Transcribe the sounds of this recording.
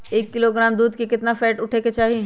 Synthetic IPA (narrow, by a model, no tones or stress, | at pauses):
eːkːɪloɡɾaːmd̪uːd̪kekɪt̪nafɛːʈʊʈʰeket͡ʃaːɦie